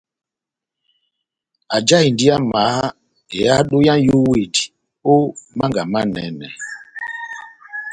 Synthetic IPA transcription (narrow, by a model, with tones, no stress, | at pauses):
a˨d͡ʒa˦i˨ndi˦a˦ma˨˦ | e˨a˦ɗo˦jã˦nju˦we˨di˨ | o˦mã˦ŋɡa˨ma˦nɛ˨˦nɛ̰˨